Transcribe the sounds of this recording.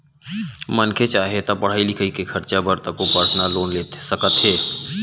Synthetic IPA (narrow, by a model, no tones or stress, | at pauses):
mənkʰet͡ʃaːɦet̪apəɽ̤aːilɪkʰəikekʰɐɾt͡ʃabəɾt̪əkopəɾt̪ʰnaloːnleːt̪səkət̪ɦeː